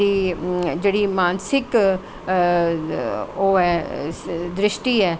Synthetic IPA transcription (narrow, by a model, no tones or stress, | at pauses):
iːd͡ʒeːɽiːmaːnsɪk | oːɛː | d̪ɾɪʃʈiːɛː